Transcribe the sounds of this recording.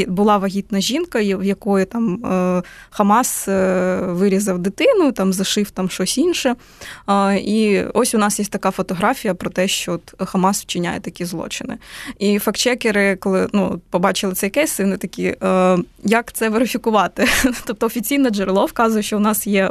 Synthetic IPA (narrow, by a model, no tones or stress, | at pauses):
bʊlˠɑʋɐɦʲit̪nɐʒʲinkɐwjɐkɔjʊt̪ɑm | xɐmɑs | ʋɪɾʲizɐwd̪ɪt̪ɪnʊt̪ɑmzɐʃɪft̪ɐmʃt͡ʃɔsʲinʃɛ | iɔsʲʊnɑsjɛsʲt̪ɐkɑfɔt̪ɔɦɾɑfʲijɐpɾɔt̪ɛʃt͡ʃɔɔt̪xɐmɑswt͡ʃɪnʲa̰jɛt̪ɐkʲizlˠɔ̰t͡ʃɪnɪ̰ifɐkt͡ʃɛkeɾɪkɔlˠɪnuɔ̰t̪pɔbɑt͡ʃɪlˠɪt̪sɛjɐkɛsʲsɪwnɪt̪ɐkʲi | jɐkt̪sɛʋeɾɪfʲikʊʋɑt̪ɪt̪ɔp̚t̪ɔɔfʲit͡sʲijnɐd͡ʒɛɾlˠɔwkɑzʊjɛʃt͡ʃɔʊnɑsjɛ